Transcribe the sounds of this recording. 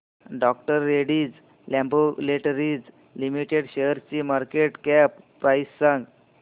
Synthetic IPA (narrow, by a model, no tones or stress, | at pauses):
ɖɔk̚ʈəɾːeɽiːd͡z | lɛ̃mboleʈəɾiːd͡z | limiʈeɽɕejəɾt͡ɕimaɾkeʈkæpːɾajsːəŋɡ